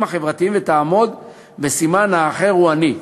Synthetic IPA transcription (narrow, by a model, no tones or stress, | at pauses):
mhaχevʁat̪iimvet̪aːmo̞d̪ | vesimanhaːχe̞ʁhuani